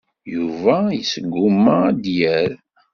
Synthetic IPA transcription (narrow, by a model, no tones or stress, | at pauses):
juvæjəsəɡʷːʊmːad̪jæɾ